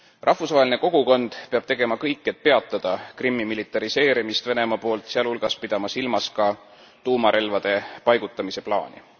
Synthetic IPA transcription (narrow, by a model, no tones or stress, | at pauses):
rʔɑhfusvɑɦelinko̞ɡ̥uko̞nd̪̥pe̞ɑb̥̚t̪e̞ɡ̥e̞mɑkɤjkːˑe̞t̪̚pe̞ɑt̪ˑːɑd̪̥ɑkrimːimilit̪ːˑɑɾise̞ːɾimist̪ve̞ne̞mɑpo̞ːlt̪ˑseɑlulɡ̥ɑspid̪̥ɑmɑsilmɑskɑ | t̪uːmɑɾʔe̞lvɑd̪̥e̞pɑjɡ̥ut̪ːˑɑmise̞plɑ̰ːnʲḭ